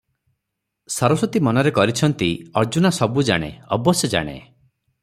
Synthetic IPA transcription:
sɔɾɔsɔt̪imɔnɔɾekɔɾit͡ʃʰɔnt̪iɔɾd͡ʒunasɔbud͡ʒa̰ɽ̃ḛɔbɔsjɔd͡ʒa̰ɽ̃ḛ

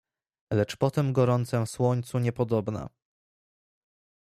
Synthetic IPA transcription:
lɛt͡ʂpɔt̪ɛmɡɔɾɔnt̪sɛfswɔɲt̪suɲɛpɔd̪ɔbna̰

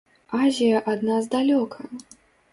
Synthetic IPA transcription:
azʲijɐʔad̪nazd̪alʲɔkʰɐ

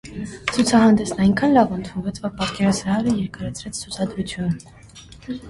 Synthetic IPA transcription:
t͡sʰut͡sʰɑɦɑnd̪ɛsnɑjŋkʰɑnlɑvunt̪ʰunvɛt͡sʰvɑpɑt̪kɛɾɑsʰɾɑɦɑɾəjɛɾkəɾɑt͡sʰɾɛt͡sʰt͡sʰut͡sʰɑd̪ɾut͡sʰjun

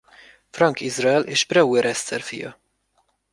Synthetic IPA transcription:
frɒŋkizrɒɛlʔeːʃprɛwɛɾʔɛst̪sɛrfḭjɒ̰

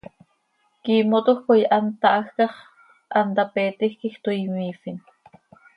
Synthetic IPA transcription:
kiːmot̪oxkojʔant̪ɑʔaxkɑχ | ʔant̪apeːt̪ixkixt̪oimiːfin

